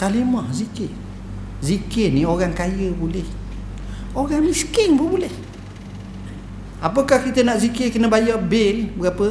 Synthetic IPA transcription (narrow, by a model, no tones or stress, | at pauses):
k̪alimɔhzikɪʔ | zikɪnioɣaŋkajəbulɛh | oɣaŋmiskɪŋbəbulɛh | ap̬əkahkit̪ənaʔzikɪkənəbajabɪnbəɡapə